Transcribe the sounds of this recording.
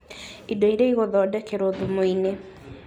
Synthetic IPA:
idoiɾeiɣoðɔːdɛkeɾoðumoine

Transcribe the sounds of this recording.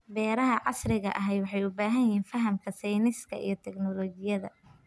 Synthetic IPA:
bɛːɾɐɦɐʕɑ̰srɪɣɐʔɐɦɛjwɑħɑjʊbaːɦɐjjɪhiːnfɐɦɐmkʰɐsɛjnɪskʰɐ̰ʔḭjɞt̪ʰɛɡnɔlɔːd͡ʒɪjɐðɐ̰

